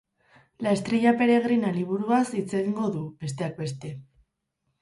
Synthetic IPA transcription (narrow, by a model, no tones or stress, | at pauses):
laest̪ɾiʎape̞ɾe̞ɣ̞ɾinaliβ̞uɾuasit͡seɣiŋɡo̞ðube̞s̬t̪e̞ak̚be̞st̪e̞